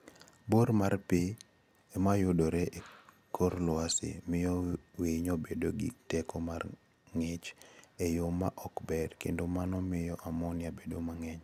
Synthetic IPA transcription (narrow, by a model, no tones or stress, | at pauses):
boɾmarpɪ | emajʊdoɾɛʔe | kʰoɾlʊasɪ̰mɪjɔwiɲobedoɡḭtɛkomar | ŋɪt͡ʃejomaʔɔkbɛrkendomanɔmɪjɔʔamɔnɪabedomaŋɛɲ